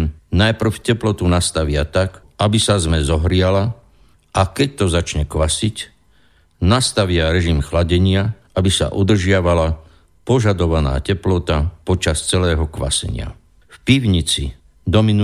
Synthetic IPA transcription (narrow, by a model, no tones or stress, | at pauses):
najpr̩fcɛplɔt̪unast̪aʋɪat̪ak | abisazmɛzɔɦɾɪala | ʔakɛc̚t̪ɔzat͡ʃɲɛkʋasic | nast̪aʋɪaɾɛʒimxlaɟɛɲɪaʔabisa̰ʔud̪r̩ʒɪaʋala | pɔʒad̪ɔʋana̰ːcɛplɔt̪apɔt͡ʃast͡sɛlɛːɦɔkʋa̰sɛ̰ɲɪa̰ | fpiʋɲit͡si | d̪ɔminu